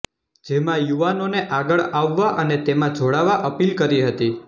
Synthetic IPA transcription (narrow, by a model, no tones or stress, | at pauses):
d͡ʒemãjuʋanoneʔaɡəɭaʋːaʔənet̪emãd͡ʒoɽaʋaʔəpilkəɾiɦət̪i